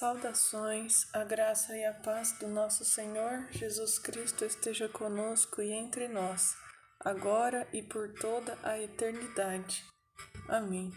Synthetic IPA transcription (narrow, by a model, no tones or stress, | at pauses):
sawd̪asõj̃sɐɡɾasɐɪɐpazd̪ʊnɔsʊseɲoɾʒ̥ezuskɾist̪ʊest̪eʒɐkõnoskʊɪẽnt̪ɾɪnɔs | a̰ɡɔɾɐʔɪpoɾt̪od̪ɐʔɐet̪eɾnid̪ad͡ʒɪ | amẽj̃